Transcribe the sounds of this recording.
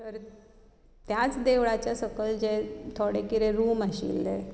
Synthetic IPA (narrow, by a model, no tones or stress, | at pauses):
t̪əɾ | t̪jat͡sd̪eʋɭat͡ɕjasəkəld͡ʑet̪ʰoɽekiɾeɾuːmaɕḭld̪e